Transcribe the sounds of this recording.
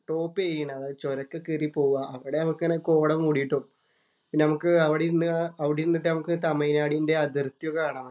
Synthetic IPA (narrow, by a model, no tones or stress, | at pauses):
ʈo̞ːpːeːjiɳɐðɨt͡ɕoɾɐkːɐkiripo̞ːuʋaʔɐʋiɽe̞nɐmukːnːeko̞ːɽɐmuːɽijiʈːo | pinːenɐmukːɨɐʋiɽeɾunːɨɐʋiɽeɾunːiʈ̬ːɨnɐmukːɨt̪ɐmɐjnaːɽinde̞ɐd̪irt̪jokːaːɳam